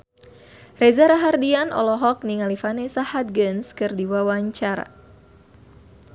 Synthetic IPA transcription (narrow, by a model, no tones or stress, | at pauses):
rezaɾaɦardianɔ̰lɔɦɔk̚niŋalifanesahat̪̚ɡənskɨrdiwawaɲt͡ʃaɾa̰